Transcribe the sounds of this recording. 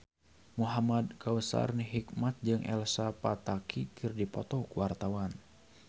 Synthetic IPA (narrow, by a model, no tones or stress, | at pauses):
muɦamad̚kawəsa̰rniɦikmat̪̚d͡ʒɨŋʔɛ̰lsapat̪akʰikʰɨrdipɔt̪ɔkuwart̪awan